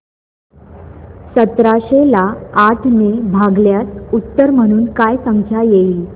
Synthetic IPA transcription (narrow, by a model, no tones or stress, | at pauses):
sət̪ɾaɕelaːʈʰnebʱaɡljatut̪ːəɾm̤əɽ̃uːnkajsəŋkʰjajeiːl